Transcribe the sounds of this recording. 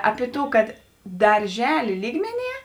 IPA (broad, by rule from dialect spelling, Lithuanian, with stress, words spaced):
ˈɑːpʲɪ ˈtuː ˈkɐt dɐrʲˈʒʲæːlʲeː ˈlʲiːɡmʲɛˌnʲiɛ